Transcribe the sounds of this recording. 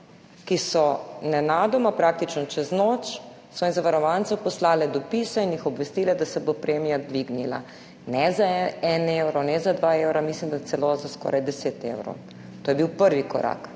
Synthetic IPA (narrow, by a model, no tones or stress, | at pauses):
kisɔnɛnaːd̪ɔmapɾaːk̚t̪it͡ʃnɔt͡ʃɛznoːt͡ʃ | sɔinzaʋaɾɔʋant̪sɛwpɔslaːlɛd̪ɔpisainjixɔbʋɛst̪ilɛd̪asɛbopɾeːmijad̪ʋiɡnila̰ | nɛzaɛɛnewɾɔnɛzad̪ʋaewɾamislimd̪ajt̪sɛlozaskɔ̰ːɾʔajd̪ɛseːt̪ḛwɾɔ̰w | t̪oːjɛbiwpəɾʋikɔ̰ɾa̰k